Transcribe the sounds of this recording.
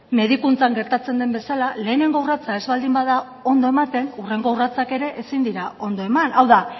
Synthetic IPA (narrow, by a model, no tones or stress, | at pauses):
me̞ðikunt͡saŋɡe̞ɾt̪at͡se̞nd̪e̞mbe̞salale̞ːne̞ŋɡo̞urat͡sae̞zβald̪imbaða | o̞nd̪o̞e̞mat̪e̞nure̞ŋɡourat͡sake̞ɾe̞ʔesind̪iɾao̞nd̪o̞e̞manʔawða